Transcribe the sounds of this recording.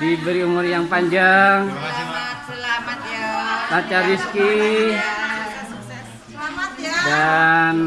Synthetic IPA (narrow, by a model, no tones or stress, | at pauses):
dibəɾiumʊrjaŋpaɲd͡ʒaŋ | lat͡ʃariski | dan